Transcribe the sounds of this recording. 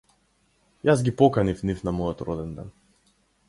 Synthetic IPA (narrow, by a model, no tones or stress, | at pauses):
jazɡʲipɔkanifnifnamɔjɔt̪ɾɔd̪ɛnd̪ɛ̰n